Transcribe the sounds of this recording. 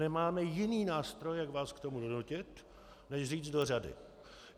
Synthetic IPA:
ɛmaːmɛjɪniːnaːst̪ɾo̞jjakvaːskt̪o̞mudonucɪt̪ | nɛʃriːd͡zdo̞r̝adɪ̰

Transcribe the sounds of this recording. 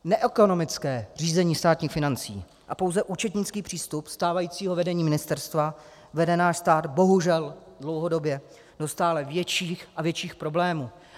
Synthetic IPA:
nɛʔɛko̞no̞mɪt͡skɛːr̝iːzɛɲiːst̪aːt̪ɲiːxfɪnant͡sḭː | ʔapo̞wzɛʔuːt͡ʃɛt̪ɲɪt͡skiːpr̝̥iːst̪upst̪aːvajiːt͡siːɦo̞vɛdɛɲiːmɪnɪst̪ɛɾst̪va | vɛdɛnaːʃst̪aːd̪bo̞ɦuʒɛldlo̞wɦo̞do̞bjɛ | do̞st̪aːlɛvjɛt͡ʃiːxʔavjɛt͡ʃiːxpɾo̞blɛːmuː

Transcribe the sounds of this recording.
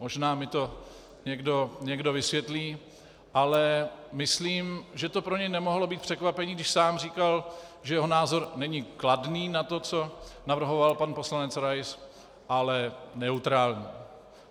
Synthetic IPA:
mo̞ʒnaːmɪt̪o̞ | ɲɛɡdo̞ɲɛɡdo̞vɪsvjɛt̪liː | ʔalɛmɪsliːmʒɛt̪o̞pɾoɲɛjnɛmoɦlo̞biːt̪̚pr̝̥ɛkvapɛɲiːɡdɪʃsaːmr̝iːkalʒɛjɛɦo̞naːzo̞ɾnɛɲɪkladniːnat̪o̞t͡so̞navr̩ɦo̞valpanpo̞slanɛt͡sɾajs | ʔalɛnɛut̪ɾaːlɲiː

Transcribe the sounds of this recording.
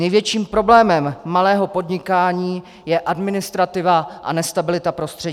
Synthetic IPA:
nɛjvjɛt͡ʃiːmpɾo̞blɛːmɛmːalɛːɦo̞po̞dɲɪkaːɲiː | jɛʔadmɪnɪst̪ɾat̪ɪvaʔa̰nɛst̪abɪlɪt̪apɾo̞st̪r̥ɛɟː

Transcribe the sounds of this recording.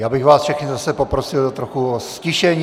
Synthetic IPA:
jaːbɪɣvaːsfʃɪxnɪzasɛpopɾosɪldot̪ɾoxuoscɪʃɛɲ

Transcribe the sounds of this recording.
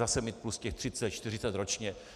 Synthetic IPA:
asɛmit̪̚pluscɛxt̪r̥ɪt͡sɛt̪t͡ʃt̪ɪrɪt͡sɛt̪ɾot͡ʃɲɛ

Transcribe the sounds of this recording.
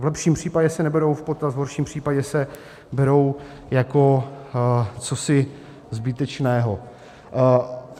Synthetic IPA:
vlɛpʃiːmpr̝̥iːpaɟɛsɛnɛbɛɾo̞wfpot̪azvɦoɾʃiːmpr̝̥iːpaɟɛsɛ | bɛɾo̞w | jako̞ | t͡sosɪ | zbɪt̪ɛt͡ʃnɛːɦo

